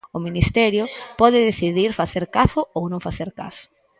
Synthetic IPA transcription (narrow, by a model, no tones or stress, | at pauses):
ʊminist̪ɛɾjʊpɔðɪðeθiðiɾfaθeɾkasʊownõŋfaθeɾka̰sʊ̥